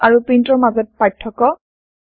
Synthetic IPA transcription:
aɹupɹintɔɹmazɔt̚patʰːɔkɔ

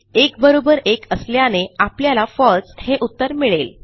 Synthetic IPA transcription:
ekbəɾobəɾekəsljaneapljalafɔɭsheʔut̪ːəɾmiɭel

